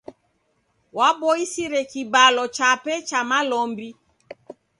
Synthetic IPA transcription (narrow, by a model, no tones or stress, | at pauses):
wabɔisiɾɛkibalɔt͡ʃapɛt͡ʃamalɔmbi